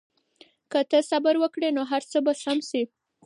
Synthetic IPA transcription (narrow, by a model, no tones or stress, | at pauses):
kət̪əsabaɾwəkɽenoɦaɾt͡səbasamsi